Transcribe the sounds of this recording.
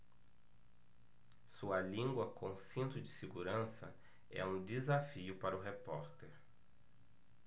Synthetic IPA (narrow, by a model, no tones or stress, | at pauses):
suɐlĩŋɡwɐkõsĩnt̪ʊd͡ʒɪseɡuɾɐ̃sɐ̰ | ɛ̰ũd͡ʒizafiʊpaɾʊɦepɔɾt̪eɾ